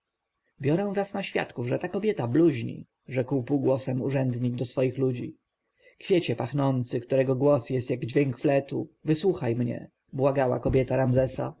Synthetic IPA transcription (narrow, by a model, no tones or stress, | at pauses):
bʲjɔɾɛw̃vɾasnaɕfʲja̰t̪kuvʐɛt̪akɔbʲjɛt̪abluʑɲḭ | ʐɛkwpuɡwɔsɛmuʐɛnd̪ɲiɡd̪ɔsfɔjixlud͡ʑi | kfʲjet͡ɕɛpaxnɔnt̪sɘkt̪uɾɛɡɔɡwɔsjɛst̪jaɡd͡ʑvʲjeŋkflɛt̪ṵvɘswuxajmɲɛ̰ | bwaɡawa̰kɔbʲjɛt̪aɾamzɛsa̰